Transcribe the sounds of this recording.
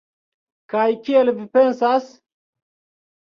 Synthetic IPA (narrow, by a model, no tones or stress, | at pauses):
kajkielvipensas